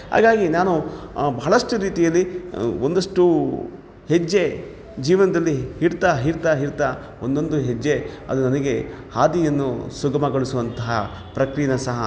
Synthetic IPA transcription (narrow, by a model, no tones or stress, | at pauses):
ɦa̰ːɡaːɡinaːnubɐɦɐɭɐʂʈuɾiːt̪ijɐlːiond̪ɐʂʈu | hed͡ʒːe̞ | d͡ʒiːʋɐnɐd̪ɐlːiɦiɽt̪aɦiɾt̪aɦiɾt̪aː | ond̪o̞nd̪uɦed͡ʒːe̞ɐ̰d̪unɐnɐɡe̞ | haːd̪ijɐnːṵsuɡɐmɐɡɐɭusuʋɐnt̪ɐɦɐ | pɾɐkɾijɐnɐsɐɦɐ̰